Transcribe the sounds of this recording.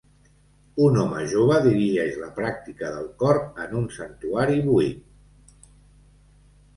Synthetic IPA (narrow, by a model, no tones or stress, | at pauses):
unɔməʒoβ̞əðiɾiʒɛʒləpɾak̚t̪ikəðəlˠkɔɾənunsənt̪uaɾiβuit